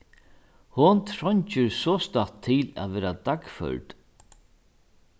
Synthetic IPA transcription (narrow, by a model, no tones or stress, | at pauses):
hʊnt̪ʰɾɔɲt͡ʃəɾsɔst̪at̪ʰːɪlæ̰ːðʋɛːɾad̪akfœ̰ɹt̪